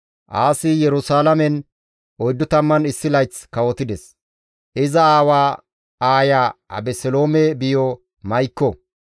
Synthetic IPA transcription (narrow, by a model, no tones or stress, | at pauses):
ʔaːsɪjɛɾʊsaːlɐmɛn | ɔjd̪ːʊt̪ɐmːɐnɪsːɪlɐjt͡skɐwɔt̪ɪd̪ɛs | ʔɪzɐaːwaː | aːjaɐ̰bɛsɛlo̞ːmɛbɪjɔ | mɐjkːɔ